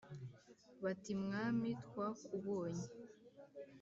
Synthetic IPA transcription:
βatimŋaːmitkwakuβoːɲe

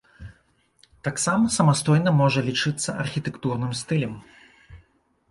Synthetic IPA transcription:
t̪aksamɐsɐmast̪ɔjnɐmɔʐɐlʲit͡ʂɨt̪sːɐɐrxʲit̪ɛkt̪urnɨmst̪ɨlʲɛm

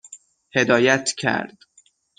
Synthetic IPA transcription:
he̞d̪ɒːjæt̪ʰcʰæ̰ɾd̪̥

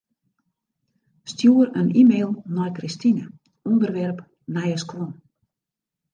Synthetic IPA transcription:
stjuərənʔimeːlˠnɔjkristinə | undərʋɛrp | nɛjəskwɔn

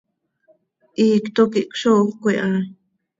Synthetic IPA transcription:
ʔikt̪okiʔkʷʃokʷeʔã

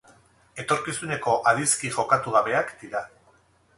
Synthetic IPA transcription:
e̞t̪o̞ɾkisune̞ko̞ʔaðiskiʝo̞kat̪uɣaβe̞akd̪̥iɾa

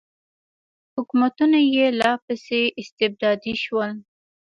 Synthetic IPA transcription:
hʊkumat̪unajelɑpəseʔɪst̪ɪb̚d̪ɑd̪iʃwəl

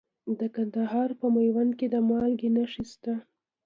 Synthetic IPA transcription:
d̪əkand̪aɦɑɾpəmajwanked̪əmɑlɡenaʂist̪a

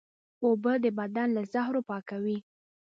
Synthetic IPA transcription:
obəd̪əbad̪anlazahɾopɑkawi

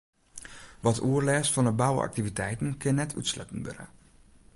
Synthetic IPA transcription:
ʋɔtʰuərlɛːsfɔnəbawə̰ʔɑ̰k̚tivitɛjtən̩kɪnːɛtʰy̰tslœ̰tən̩ʋø̰ɾə̰

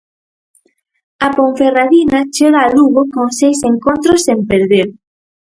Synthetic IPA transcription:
apõɱferaðinat͡ʃeɣaːluɣokõŋsejseŋkont̪ɾosempeɾðeɾ

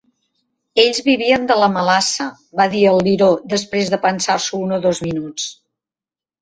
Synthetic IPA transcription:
eʎzβiβiənd̪ələməlasə | βaðiəlˠːiɾod̪əspɾezðəpənsarsuunoðozminut͡s

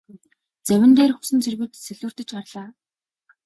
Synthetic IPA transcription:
t͡sæwʲɪ̆nt̪eːrxʊsɘ̆nt͡sʰerɣɘ̆t̪sæɮɘ̆ːr̥t̪ɘ̆t͡ɕarɮaː

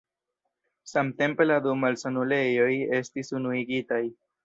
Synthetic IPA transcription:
samte̞mpe̞ladumalsanule̞jo̞je̞stisunuiɡitaj

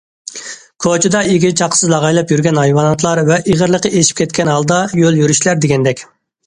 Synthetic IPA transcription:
kʰot͡ʃʰid̪ɑiɡʲit͡ʃʰɑqʰːə̥sɨzlˠɑʁɑjlˠɑpjyɾɡʲɛnhɑjwɑnɑt̪ʰlˠɑɾvɛʔiʁəɾlˠəqəeʃi̥p̚kʲʰɛt̪̚kʲɛnhɑlˠd̪ɑjøljyɾyʃlæɾd̪eɡʲɛnd̪ɛkʲ

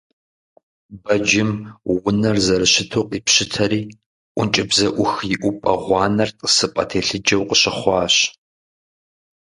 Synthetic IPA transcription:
bɐd͡ʒɪmwʊnɐrzɐɾɨɕɪtʰuːqʼiːpɕɪtʰɐɾiː | ʔʷʊnt͡ʃʼɪbzɐʔʷʊxjɪʔʷʊpʼɐ̰ʁʷɑːnɐrtʼə̥sɨpʼɐ̰tʰeːɬɨd͡ʒɐwqəɕɪχʷɑːɕ

